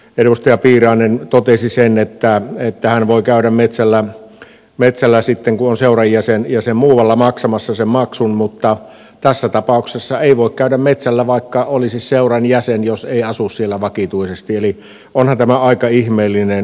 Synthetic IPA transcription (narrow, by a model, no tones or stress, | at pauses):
eɾust̪ɑjɑpiːrɑˑːnent̪ot̪esisenet̪ːæet̪ːæhænʋoˑikæˑyɾæmmet̪sælːæ | met̪sælːæsit̪ːeŋkuonseurɑjjæsenjæsemmuːʋɑlːɑmɑksɑmɑsːɑsemmɑksunmut̪ːɑ | t̪æsːæt̪ɑpɑˑuksesːɑeˑiʋoˑikkæyɾæmmet̪sælːæʋɑˑikːɑolisisseurɑnjæsenjoseˑiɑsussielːæʋɑkit̪uisest̪ieli | ʔonhɑnt̪æmæɑikɑihmeːlːinen